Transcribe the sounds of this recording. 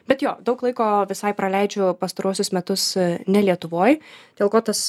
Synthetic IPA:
bʲɛt̪joːd̪ɐʊklˠɐɪkoːʋʲɪsɐɪpɾɐlʲɛɪd͡ʒʲʊpɐst̪ɐɾuɔsʲʊsmʲɛt̪ʊsnʲɛlʲiɛt̪ʊʋoːjd̥ʲeːlˠkoːt̪ɐs

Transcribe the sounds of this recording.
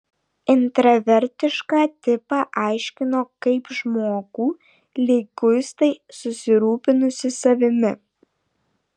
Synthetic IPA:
ɪnt̪ɾɐʋʲɛɾʲˑt̪ʲɪʃkɑːt̪ʲɪpɑːʔɑˑɪʃʲkʲɪnoːkɐɪpʒmoːɡ̥uː | lʲɪːɡʊst̪ɐɪsʊsʲɪɾuːpʲɪnʊsʲɪsɐʋʲɪmʲɪ

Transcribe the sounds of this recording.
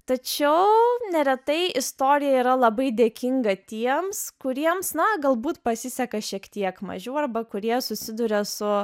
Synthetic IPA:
t̪ɐt͡ʃʲɛʊnʲɛɾʲɛt̪ɐɪʔɪst̪oːɾʲɪjɛiːɾɐlˠɐbɐɪd̪ʲeːkʲɪŋɡɐt̪ʲiɛmskʊɾʲiɛmsnɐɡɐlˠbuːt̪pɐsʲɪsʲɛkɐʃʲiɛkt̪ʲiɛkmɐ̰ʒʲɛʊɐrbɐkʊɾʲiɛsʊsʲɪd̪ʊɾʲɛsʊ

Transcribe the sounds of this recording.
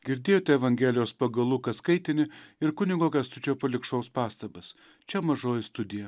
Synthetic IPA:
ɡʲɪɾʲd̪ʲeːjoːt̪ʲɛɛʋɐŋʲɡʲɛlʲɪjoːspɐɡɐlˠuːkɐskɐɪt̪ʲɪnʲɪɪɾkʊnʲɪɡoːkʲɛst̪ʊt͡ʃʲɛpɐlʲɪkʃɐʊspɑːst̪ɐbɐs | t͡ʃʲɛmɐʒoːjɪst̪ʊd̪ʲɪjɛ

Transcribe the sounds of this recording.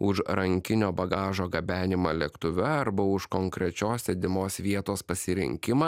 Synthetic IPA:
ʊʃɾɐŋʲkʲɪnʲoːbɐɡɑːʒoːɡɐbʲæːnʲɪmɐːlʲɛkt̪ʊʋʲɛɐɾbɐʊʃkɔŋkɾʲɛt͡ʃʲoːsʲsʲɛd̪ʲɪmoːsʋʲiɛt̪oːspɐsʲɪɾʲɪ̰ŋʲkʲɪmɑː

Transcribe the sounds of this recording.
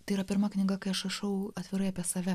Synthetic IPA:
t̪ɐɪiɾɐpʲɪɾmɐknʲɪɡɐkɐɪɐʃɐʃɐʊɐt̪ʲʋʲɪɾɐɪɐpʲiɛsɐʋʲɛ

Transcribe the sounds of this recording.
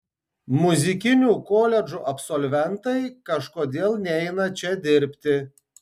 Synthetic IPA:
mʊzʲɪkʲɪnʲuːkoːlʲɛd͡ʒuːʔɐpsɔlʲʋʲɛnt̪ɐɪkɐʃkoːd̪ʲeːlˠnʲɛɪnɐt͡ʃʲɛd̪ʲɪɾʲpʲt̪ʲɪ

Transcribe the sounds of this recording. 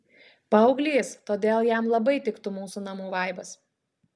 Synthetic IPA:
pɐɒʊɡlʲeːst̪oːd̪ʲeːlˠjæmlˠɐbɐɪt̪ʲɪkt̪ʊmuːsunɐmuːʋɐɪbɐs

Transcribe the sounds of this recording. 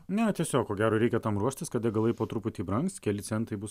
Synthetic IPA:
nʲɛt̪ʲiɛsʲoːkkoːɡʲæːɾoːɾʲɛɪkʲɛt̪ɐmɾuɔʃʲt̪ʲɪskɐt̪ɪɡɐlˠɐɪpoːt̪ɾʊpʊt̪ʲiːbɾɐŋkst̪kʲɛlʲɪsʲɛnt̪ɐɪbʊs

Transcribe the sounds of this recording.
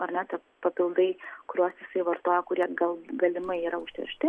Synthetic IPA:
ɐɾnʲɛt̪ɐ | pɐpʲɪlˠd̪ɐɪkʊɾʲuɔsjɪsɐɪʋɐɾt̪oːjɛkʊɾʲiɛɡɐlˠɡɐlʲɪmɐɪiːɾɐʊʃʲt̪ʲɪ̰ɾʲʃʲt̪ʲɪ

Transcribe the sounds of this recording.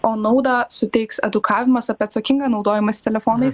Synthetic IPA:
oːnɐʊd̪ɑːsʊt̪ʲɛɪksɛ̰d̪ʊkʰɑːʋʲɪmɐsɐpʲeɐt̪sɐkʲɪŋɡɐːnɒʊd̪oːjɛmɐsʲt̪ʲɛlʲɛfoːnɐɪs

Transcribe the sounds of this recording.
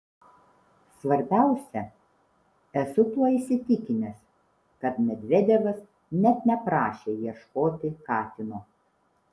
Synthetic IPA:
sʋɐɾʲbʲæˑʊsʲɛ | ɛsʊt̪uɔisʲɪt̪ʲɪkʲɪnʲɛs | kɐt̪mʲɛd̪ʲʋʲɛd̪ʲɛʋɐs | nʲɛt̪nʲɛpɾɑːʃʲeːjiɛʃkoːt̪ʲɪkɑːt̪ʲɪnoː

